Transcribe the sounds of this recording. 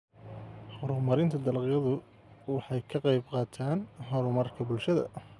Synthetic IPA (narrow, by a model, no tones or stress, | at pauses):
hɔɾʊmɐɾɪnt̪ʰɐd̪ɐlqɪjɐðʊ | wɑħɑjkʰɐqɑjbqɑːt̪ʰaːnɦɔɾʊmɐrkʰɐbʊlʃɐðɐ̰